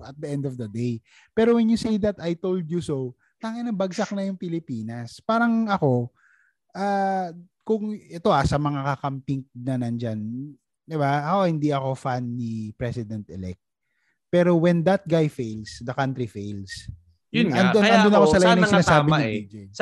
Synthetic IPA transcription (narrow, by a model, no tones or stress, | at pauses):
ʔɐt̪̚d̪ɐʔɛnd̪ɔvd̪ɐd̪ej | pɛːɾowɛnjʊsiːd̪ɐt̪ajt̪owld̪jusow | t̪aŋɐnɐbɐɡsɐk̚nɐjʊŋpɪlɪpiːnɐspaːɾɐŋɐko̞ | ʔaː | kʊŋɛt̪o̞ʔasɐmɐŋakɐkɐmpiŋk̚nɐnɐnd͡ʒan | d̪ɪbaɐkohɪnd̪iɐko̞fanːipɾɛsɪd̪ɛnt̪ʔɛlɛ̰k̚t̪̚ | pɛɾowɛnd̪ɐt̪̚ɡajfejlsd̪ɐkant̪ɾifejls | jʊnɐnd̪onɐnd̪onɐkosɐlɐjanɐsɪnaːsaːbɪnɐid͡ʒe